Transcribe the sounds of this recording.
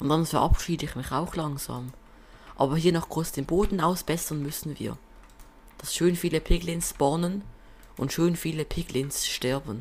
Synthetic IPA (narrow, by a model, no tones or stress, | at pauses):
ʊnd̥anfɛɐʔa̰pʃiːdəɪçmɪça̰ʊxlɑŋz̥a̰ːm | ʔaːbɐhiːɐnɔχɡ̥ʁosd̥eːnboːdn̩aʊsb̥ɛsɐnmʏsn̩vḭːɐ | d̥asʃøːnfiːləpʰɪɡlɪnsb̥ɔnən | ʔʊntʃøːnfiːləpʰɪɡlɪnsʃtɛɐbn̩